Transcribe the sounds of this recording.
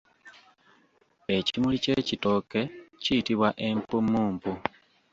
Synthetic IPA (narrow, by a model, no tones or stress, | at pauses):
e̞cimulice̞cito̞ke̞cijitiβwaʔe̞mpumːuːmbu